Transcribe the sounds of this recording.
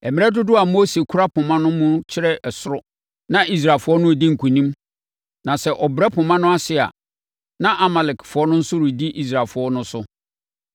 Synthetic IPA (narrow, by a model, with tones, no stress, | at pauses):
ɛ˨mɪ̃˦ɛ˦dʊ˦dʊ˦a˨mo˦se˨kʰʊ˦ɾa˦pʰʊ˨mã˦nʊ̃˦mʊ̃˦t͡ɕʰɪ˦ɾɛ˦ʔɛ˨sʊ˦ɾɔ˦ | nã˦ʔi˦s̬ɾaː˨lfʊ˨˦ɔ˦nʊ̃˦˨di˦ŋ̩˨kʰũ˨nĩ˦m | nã˨sɛ˨ʔɔ˨bɾɛ˦pʰʊ˨mã˦nʊ̃˦a˦sɪ˨a̰˨ | nã˦ʔa˨ma˨lɪ˨kfʊ˨ɔ˦nʊ̃˦n̩˦sʊ˦ɾʊ˨di˦ʔi˦s̬ɾaː˨lfʊ˨ɔ˦nʊ̃˦sʊ˦